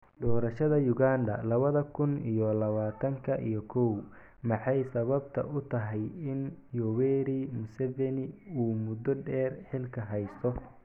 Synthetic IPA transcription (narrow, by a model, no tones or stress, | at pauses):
ɖɔːɾɐʃɐðɐjʊɣaːnd̪ɐ̰lɐβɐðɐkʰʊnijɔlɐβaːt̪ʰɐŋkʰɐʔijɔkʰɔw | mɑħɑjsɐβɐbt̪ʰɐ̰ʔʊt̪ʰɐɦɛjɪnjɔwɛɾimʊsɛvɛnɪuːmʊd̪ɔɖɛːrħɪlkʰɐɦɛjst̪ʰɔ